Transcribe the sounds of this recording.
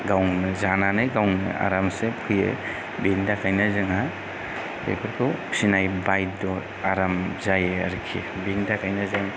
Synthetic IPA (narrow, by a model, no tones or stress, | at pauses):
ɡawŋnɯzananɯjɡawŋnɯ̰a̰ɾamsepʰɯjɯ̰ | biŋdakʰajnazɯŋa | bḛpʰɯɾkʰɯpsinajbajtdɔ | aɾamzajea̰ɾkʰḭ | biŋdakʰajnazɯŋ